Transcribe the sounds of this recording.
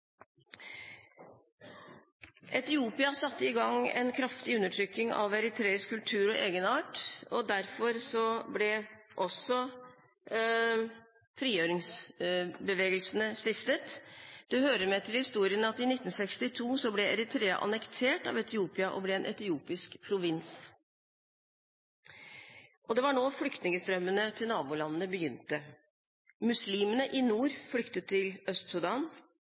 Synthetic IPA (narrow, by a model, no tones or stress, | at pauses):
ʔɛt̪ɪuːpɪɑsɑt̪ːəɪɡɑŋɛ̰nkʰɾɑft̪ɪʉnːəʈʰɾʏk̪ːɪŋɑ̰ʋɛɾɪt̪ʰɾeːɪskʉlt̪ʰʉːɾɔʔeːɡənɑːʈɔd̪æɾfɔɾsɔblɛʔɔsɔ | fɾiːjøːɾɪŋs | bəʋeːɡəlsənəʂt̪ɪft̪ət̪d̪̥ɛhøːɾəmɛt̪ʰɪlhɪst̪uːɾɪənɑt̪ɪnɪt̪ːn̩sɛkst̪ɪt̪ʰuːsɔblɛɛɾɪt̪ʰɾeːɑ̰ʔɑ̰nɛkt̪ʰeːʈɑ̰ʋɛt̪ɪuːpɪɑʔɔ̰blɛɛnʔɛt̪ɪuːpɪskpʰɾʊʋɪns | ʔɔd̪ɛʋɑɳoːflʏkt̪nɪŋəst̪ɾœmːənət̪ʰɪlnɑːbuːlɑnːənəbəjʏnt̪ə | mʉsliːmənəʔɪnuːɾflʏkt̪ət̪ʰːɪlœst̪sʊd̪ɑːn